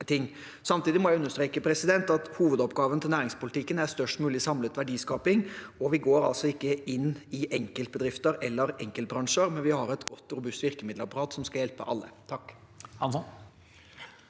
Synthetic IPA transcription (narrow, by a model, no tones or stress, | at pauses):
t̪ʰɪŋː | sɑmt̪iːd̪ɪmɔjæɪʉnːəʂt̪ɾeːkəpʰɾɛsɪd̪ɛnt̪ɑt̪huːʋəd̪ɔpɡɑːʋənt̪ʰɪlnæːɾɪŋspʊlɪt̪ʰɪkːənæɾst̪œʂʈmʉːlɪsɑmlət̪ʋæɖiːskɑːpɪŋɔʋɪɡoːɾɑ̰lsɔɪkːəʔɪnːɪʔɛŋkəlt̪̚bəd̪ɾɪft̪əɾɛlːəɾɛŋkəlt̪bɾɑŋʂəɾmɛnʋɪhɑɾɛt̪ɡɔt̪ːɾʊbʉst̪ʋɪɾkəmɪd̪ləɑpɑɾɑːt̪sɔmskɑljɛlpə̰ʔɑ̰lːə̰t̪ʰɑkː | hɑns